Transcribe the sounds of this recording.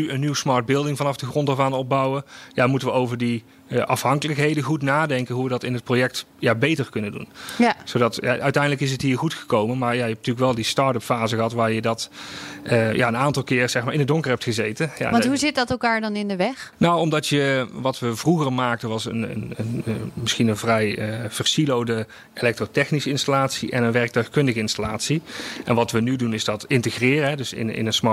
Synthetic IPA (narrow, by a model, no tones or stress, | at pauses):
nyənːywəsmɑɹd̚bɪlˠdɪŋvɑnɑfdəɣrɔntəɹvaːnɔb̚bʌwəjamutənʋəowvəɹdi | əʔɑ̰fɦɑŋkələkɦejdəχutnaːdɛŋkənɦuʋədɑtɪnɦət̚projɛk̚t | jabejtərkɵnədṵnz̥owdɑtja̰ʔœɥtɛjndələkɪs̬ətɦiːɹχutxə̥kowmənmaːɹjajəɛpntyːləkʋɛlˠdistɑːɹtəpfaːzəɣəɦɑtʋaːɹjədɑt | əjʔa̰ənaːntɑlˠkɪːrz̥ɛxmaːɹɪnədoŋkərɦɛp̚txəzejtənja̰ʋntɦuzɪt̚dɑtɛlˠkaːɹdɑnɪndəʋɛxnawɔmdɑtjəʋɑtʋəvruɣərmaːk̚tənʋɑsə̰nə̰nənmɪsxinənvrɛjəv̥ərsilowdə | elɛk̚trotɛxnisəɪnstalaːtsiʔɛnənʋɛrk̚tœɥxkɵndəɣəɪnstalaːtsiʔɛnʋɑtʋənydunɪzdɑtɪntəxrɪːrəɦɛdɵsɪ̰nɪ̰nənsmɑ